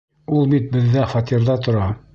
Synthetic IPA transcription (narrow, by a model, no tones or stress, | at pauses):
ulˠbit̪̚bɘ̆ðːæfɑt̪ʲiɾðɑt̪ŏɾɑ